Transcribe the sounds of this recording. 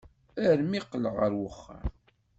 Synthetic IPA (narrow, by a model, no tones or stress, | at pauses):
æɾmiqːləʁəɾwəχːə̰ɾ